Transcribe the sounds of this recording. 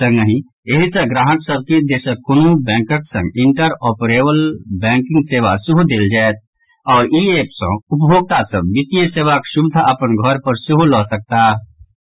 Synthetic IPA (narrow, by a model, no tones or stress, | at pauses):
ə̃ŋɡəɦĩ | eɦisẽɡɾaːɦəksəb̚kid̪eːsəkʊnubɛ̃ːŋkəksə̃ŋɡɪ̃ɳʈəɾɔːpəɾeːbəlbɛ̃ːŋkɪ̃ŋɡseːʋasʊɦud̪eːld͡ʒaːet̪̚ | ɔːɾiːeːpsə̰̃ʊp̬bʱoːɡ̚t̪asə̃bɪt̪ijəseːʋakʃʊbɪd̪ʱaɐpənɡʱɔɾpəɾsʊɦulɔːsək̚t̪aː